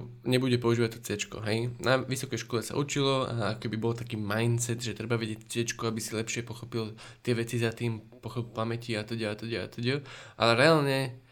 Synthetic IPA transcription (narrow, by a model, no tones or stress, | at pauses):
ɲɛbuɟɛpɔuʒiːʋat̪ɔt͡sɛt͡ʃkṵɦɛjnaʋisɔkɛjʃkɔlɛsa̰ʔut͡ʃilɔa̰akɔkɛbibɔlt̪akiːmajnt͡sɛd̪ʒɛt̪ɾɛbaʋɛɟɪɛcːt͡sɛt͡ʃkuabisilɛpʃɪɛpɔxɔpil | t̪ɪɛʋɛt͡sizat̪iːm | pɔxɔpamɛciat̪ɔɟɛat̪ɔɟɛa̰t̪ɔɟɛʔa̰lɛɾɛaːlɲɛ